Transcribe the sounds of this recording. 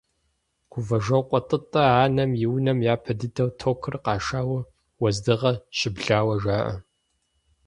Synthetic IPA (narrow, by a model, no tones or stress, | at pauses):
ɡ̥ʷʰʊvɐʒɐwqʷʼɔtʼɨtʼɐaːnɐmjiwnɐmjaːpʰɐdɨdɐwtʰoːkʰɨrqɑːʂaːwɐ | wɐzdɨʁɐʃɪbɮaːwɐʒaːʔɐ̰